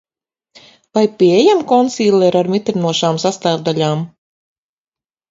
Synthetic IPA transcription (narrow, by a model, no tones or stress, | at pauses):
vajpʲiɛjamkɔnsiːlʲˠɛɾaɾmit̪ɾinuɔʃaːmsast̪aːvd̪alʲaːm